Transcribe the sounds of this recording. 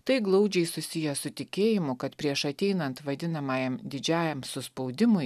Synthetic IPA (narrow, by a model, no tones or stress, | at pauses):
t̪ɐɪɡlˠɐʊd͡ʒʲɛɪsʊsʲɪjɛsʊt̪ʲɪkʲeːjɪmʊkɐt̪pʲɾʲiɛʃɐt̪ʲɛɪnɐnt̪ʋɐd̪ʲɪnɐmɑːjɛmd̪ʲɪd͡ʒʲæːjɛmsʊspɒʊd̪ʲɪmʊɪ